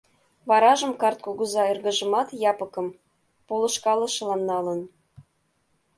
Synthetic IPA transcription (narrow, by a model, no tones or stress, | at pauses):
βɑɾɑʒə̆mkɑrt̪̚koɣuzɑirɣə̆ʒə̆mɑt̪jɑpɤ̆kɤ̆m | polɤ̆ʃkɑlɤ̆ʃɤ̆lɑnnːɑlə̆n